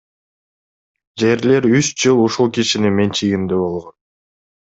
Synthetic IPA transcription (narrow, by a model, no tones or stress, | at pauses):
d͡ʒe̞ɾle̞ɾysd͡ʒɯlˠuʃulˠkiʃinime̞nt͡ʃʰijimd̪eβo̞lˠʁo̞n